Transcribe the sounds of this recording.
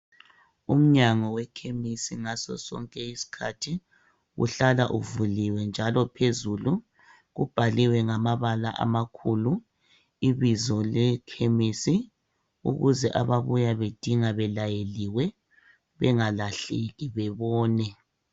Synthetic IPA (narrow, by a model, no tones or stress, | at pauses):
um̩ɲaŋɔwɛkʰemisiŋasɔ̰sɔ̰ŋkʼɛisi̥kʰatʰi | ɣṵɬalaʔṵvuliwɛnd͡ʒʱalɔpʰezulu | ɣub̥ʱaliwɛŋamaβalaʔa̰makʰulu | iβizɔlɛkʰemisi | ṵɣuzɛʔa̰βaβujaβed̥ʱiŋaβɛlajeliwɛ | βɛŋalaɬeɣiβɛβɔːnɛ